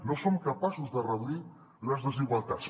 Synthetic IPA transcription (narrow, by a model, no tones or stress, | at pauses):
nosomkəpasuzðərəðui | ləzðəziɣwalˠt̪at͡s